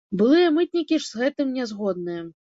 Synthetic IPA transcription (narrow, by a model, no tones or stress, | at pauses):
bɨlˠɨjɐmɨt̪ʲnʲikʲiʐzɣɛt̪ɨmnʲɛzɣɔd̪̚nɨjɛ